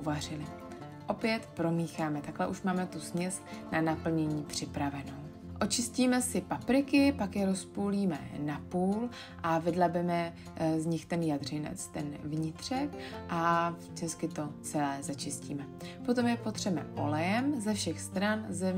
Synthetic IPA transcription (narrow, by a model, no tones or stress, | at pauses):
varɪlɪ | ʔo̞pjɛt̪pɾo̞miːxaːmɛt̪aklɛʔuʃmaːmɛt̪usmɲɛsnanapl̩ɲɛɲiːpr̝̥ɪpɾavɛno̞w | ʔo̞t͡ʃɪsciːmɛsɪpapɾɪkɪpakjɛɾo̞spuːliːmɛ̰napuːl | ʔavɪdlabɛmɛ | zɲɪxt̪ɛnjadr̝ɪnɛ̰t͡st̪ɛnvɲɪt̪r̝̥ɛkʔat͡ʃɛskɪt̪o̞t͡sɛlɛːzat͡ʃɪscḭːmɛ | po̞t̪o̞mjɛpo̞t̪r̝̥ɛmɛ̰ʔo̰lɛjɛmzɛfʃɛxst̪ɾanzɛ